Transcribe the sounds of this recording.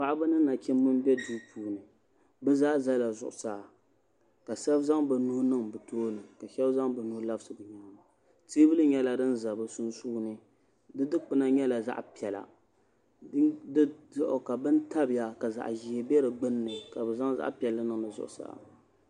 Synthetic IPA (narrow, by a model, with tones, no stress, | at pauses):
pa˦˨ʔa˦bɨ˦nɨː˦a˨t͡ʃɛ˦mʊ˦n˦bɛ˦du˦pʰuː˨˦nɨ˨ | bɛ˦zaː˦za˦la˨zʊ˨ʔʊ˨saː˨ | ka˨sa˦bza˦ŋbɨ˨nu˦nɨ˦ŋbɨ˨toː˦lɨ˨ka˨ʃɛ˦bza˦ŋbɨ˨nu˦la˦bsɨ˨bɨ˨ɲa˦ma˨ | tiː˦bɨ˦lɨ˦ɲɛ˦la˨dɨ˦n̩za˨bɨ˨su˦nsu˦˨nɨ˨ | dɨ˦dɨ˦k͡pɨ˦na˦ɲɛ˦la˨za̰˦ʔpi˨ɛ˨la̰˨˦ | dɨ˦ʊ˦ʔʊ˨ka˨bɨ˦n˦ta˦bɪ˨ja˨ka˨za̰˨ʔʒi˨hbɛ˦ɾɨ˨ɡ͡bɨ˦nː˦ɨ˨ka˨bɛ˨za˦ŋza̰˦ʔpi˨ɛ˨lːɨ˦nɨ˦˨ŋnɨ˨zʊ̰˨ʔʊ˨sa̰ː˦˨